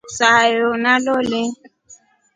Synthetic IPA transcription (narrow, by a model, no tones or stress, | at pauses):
sajonalolɛ